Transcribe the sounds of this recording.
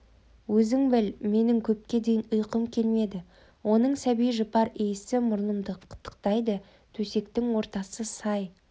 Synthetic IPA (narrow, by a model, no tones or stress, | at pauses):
wɵzɪŋbɪlme̞nɪŋkʲʰɵp̚kʲe̞d̪ejɪnəjqəmkʲʰe̞lme̞d̪ɪ | wʔo̞nəɴsæbijʒəpɑɾejɪsɪmʊɾlˠəmd̪əqʰə̥t̪ʰːə̥q̚t̪ɑjd̪ə | t̪ʰɵse̞kt̪ɪŋwo̞ɾt̪ɑsəsɑj